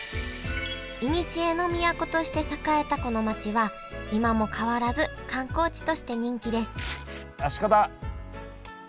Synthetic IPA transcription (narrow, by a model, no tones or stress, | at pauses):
iɲ̟it͡ɕie̞no̞mʲiakot̪o̞ɕi̥t̪e̞sakae̞t̪ako̞no̞mat͡ɕiβa | imamo̞kʰaβaɾazɨkãŋko̞ːt͡ɕi̥t̪o̞ɕi̥t̪e̞ɲ̟ĩŋkʲid̪e̞sɨ̥ | aɕi̥kad̪a